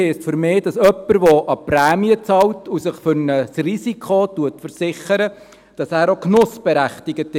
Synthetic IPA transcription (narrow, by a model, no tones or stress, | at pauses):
ɪstfʏɾmɪːd̥ɑsœpːəɾʋɔʔɑpɾæːmiət͡sɑwtʰusəχfʏɾnəsrisikʰχotuətfəɾsɪχəɾə | d̥ɑsæːɾoknʊsb̥ɛɾæχtiɡətɪ